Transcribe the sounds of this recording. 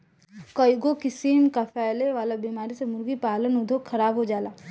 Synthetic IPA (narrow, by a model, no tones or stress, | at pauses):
kɐjɡokɪsiːmkapʰɛːleʋaːlabimaːɾisemʊɾɡipaːlənʊd̪ʱokxʰɐɾaːbɦod͡ʒaːlaː